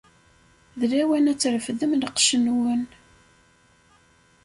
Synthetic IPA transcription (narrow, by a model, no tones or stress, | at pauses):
ðlæwænæt͡sːɾfðəmnəqʃənwən